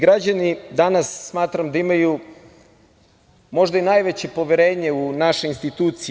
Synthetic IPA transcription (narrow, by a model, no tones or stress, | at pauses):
ɡɾad͡ʑanid̪anasːmaːt̪ɾamd̪aimaju | mo̞ʒd̪ainajʋet͡ɕe̞po̞ʋeɾe̞ːɲe̞unaʃe̞inst̪it̪uːt̪si